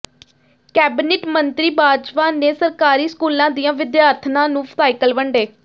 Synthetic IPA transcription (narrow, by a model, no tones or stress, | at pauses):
kɛːbɪnɪʈmənt̪ɾiːbaːd͡ʒpaːneːsəɾkaːɾiːskuːlãːd̪iːjãːʋɪd̪jaːɾt̪ʰnãːnũːsaːɪkəlʋəɳɖeː